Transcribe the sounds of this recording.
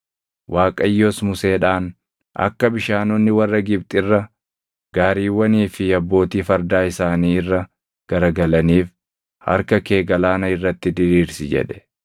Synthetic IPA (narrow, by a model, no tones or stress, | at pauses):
wʔaːkʼɐjːoːsmʊseːᶑaːn | ʔɐ̰kːɐbɪʃaːnonːɪwɐrːɐɡɪbt̪ʼɪrːɐ | ɡ̥aːɾiːwːɐniːfɪɐbːo̞ːt̪iːfɐɾd̪aːɪsaːniːɪrːɐ | ɡ̥ɐɾɐɡɐlɐniːf | hɐ̰ɾkɐke̞ːɡɐlaːnɐɪrːɐt̪ːɪd̪ɪɾiːɾsɪd͡ʒɛ̰ᶑɛ̥